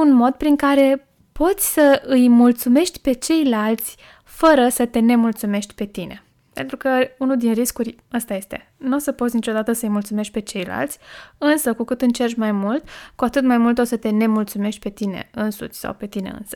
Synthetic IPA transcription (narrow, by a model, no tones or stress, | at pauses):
unmo̞d̪pɾiŋkaɾe̞ | po̞t̪sʲsəɨjmult̪sume̞ʃt̪ʲpe̞t͡ʃe̞jlalt̪sʲ | fəɾəsət̪e̞ne̞mult̪sume̞ʃt̪ʲpe̞t̪ine̞̰ | pe̞̰nt̪ɾukəunud̪inriskurʲ | ast̪aje̞st̪e̞̰ | nosəpot̪sʲnit͡ʃo̞d̪at̪əsəɨjmult̪sume̞ʃt̪̚ʲpe̞t͡ʃe̞jla̰lt̪sʲɨnsəkukɨt̪ɨnt͡ʃe̞rʃʲmajmult̪kuat̪ɨt̪majmult̪o̞sət̪e̞ne̞mult̪sume̞ʃt̪̚ʲpe̞t̪ine̞̰ɨnsṵt͡ʃʲsa̰wpe̞t̪ine̞̰ɨ̰nsə̥